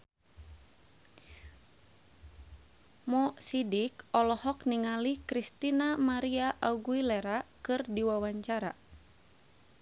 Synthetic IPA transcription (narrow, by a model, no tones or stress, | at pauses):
mɔsidikɔlɔhɔkniŋalihkɾist̪inamaɾiaʔauɡuilɛɾakɨrdiwawaɲt͡ʃaɾa